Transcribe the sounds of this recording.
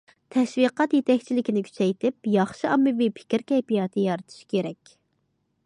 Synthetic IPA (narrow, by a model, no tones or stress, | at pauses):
t̪ʰɛʃwiqɑt̪jet̪ɛkʲt͡ʃʰilɪkʲinɪkʲʰy̥t͡ʃʰɛjt̪ʰɪpjɑχʃiɑmːɨvipʰɪ̥kʲɾkʲɛjpijɑːt̪ʰɨjɑɾɨt̪ʰɨ̥ʃkʲʰeɾɛkʲ